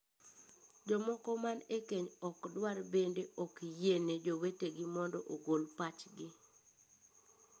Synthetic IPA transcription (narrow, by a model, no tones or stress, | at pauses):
d͡ʒɔmɔkɔmanekeɲɔkdwarbendeɔkjened͡ʒoweteɡɪmɔndɔʔoɡolpat͡ʃɡɪ